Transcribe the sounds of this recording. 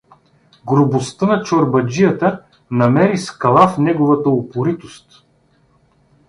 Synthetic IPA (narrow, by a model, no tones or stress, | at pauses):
ɡɾʊbost̪ənɐt͡ʃoɾbɐd͡ʒijət̪ə | nɐmɛɾiskɐlˠafnɛɡʊvɐt̪əopʊɾit̪ost̪